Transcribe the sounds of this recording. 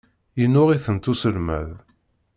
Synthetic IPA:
inːʊʁiθənt̪usəlmæ̰ð

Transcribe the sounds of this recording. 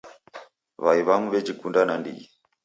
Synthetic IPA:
βaiβaŋuβɛd͡ʒikundanandḭi

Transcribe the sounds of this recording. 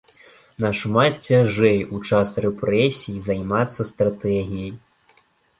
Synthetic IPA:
nɐʂmat̪t͡sʲaʐɛjut͡ʂasrɛpɾɛsʲijizajmat̪sːɐst̪ɾat̪ɛɣʲijɐj

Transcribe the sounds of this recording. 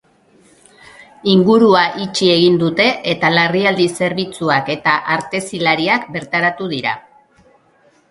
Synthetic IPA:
iŋɡuɾuaʔit͡ʃie̞ɣ̞ind̪ut̪e̞ʔet̪alariald̪ise̞ɾβit͡suake̞t̪aʔaɾt̪e̞silaɾiakbe̞ɾt̪aɾat̪uðiɾa̰

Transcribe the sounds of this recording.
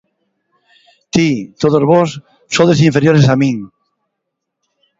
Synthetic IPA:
t̪it̪oðozβos | soðes̬iɱfeɾjoɾesamĩŋ

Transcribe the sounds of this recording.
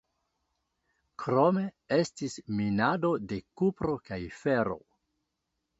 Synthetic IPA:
kɾo̞me̞ | e̞stisminado̞de̞kupɾo̞kajfe̞ɾo̞̰

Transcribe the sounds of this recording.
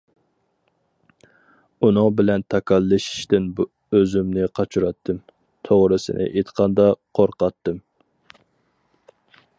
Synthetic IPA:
unɨŋbɪlɛnt̪ʰɑkʰɑlːɨʃi̥ʃt̪ɪnb | øzymnɪqʰɑt͡ʃʰuɾɑt̪ʰːɨm | t̪ʰoʁɾɨsɪ̰nʔɪ̰ʔet̪qʰɑnd̪ɑqʰoɾqɑt̪ːɨm

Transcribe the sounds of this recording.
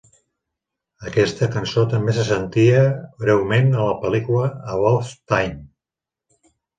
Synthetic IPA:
əkɛst̪əkənsot̪əmbesəsənt̪iəβɾɛwmenələpəlikuləːβɔlst̪ajn

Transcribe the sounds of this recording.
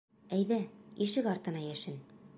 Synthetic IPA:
æjðæiʃɘkɒɾt̪ɤ̆nɑjæʃɘn

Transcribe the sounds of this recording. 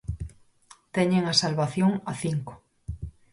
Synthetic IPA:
t̪eɲeŋasalβaθjoŋaθiŋko̥

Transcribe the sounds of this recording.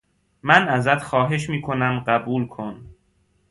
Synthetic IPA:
mænæzæt̪xɒːɦe̞ʃmiːkʰo̞næmɢæbuːlkʰo̞n

